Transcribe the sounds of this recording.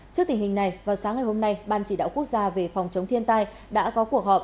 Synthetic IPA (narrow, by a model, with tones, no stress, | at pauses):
t͡ɕɨ˦˥ək̚t̪i˨˩ŋ̟hï˨˩ŋ̟na˨˩jvaː˨˩wsaː˨˦ŋa˨˩jho˧mna˧jɓaː˧˨˩nt͡ɕi˧˩ɗa̰ː˧˨wku˦˥ək̚zaː˧ve˨˩fa˨˩wŋ͡mt͡ɕə˨˦wŋ͡mt̪ʰənt̪aː˧j | ɗa̰ː˧˥kɔ˨˦ku˧˩ək̚hɔ˨˩p̚